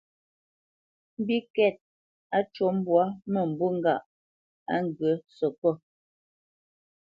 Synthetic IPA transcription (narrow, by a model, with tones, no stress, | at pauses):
m̩˦bi˦kɛ˦˨t̚ | a˦t͡ʃo˨˦m̩˦bwa˦mə˨m̩˨bu˦ŋ̩˦ɡa˦˨ʔ | a̰˦ŋ˨ɡə˨˦sɔ˨kɔ˦˨